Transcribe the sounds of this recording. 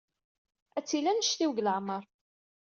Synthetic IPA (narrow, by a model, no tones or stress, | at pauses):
æt͡sːilænəʃθiwɡləʕməɾˤ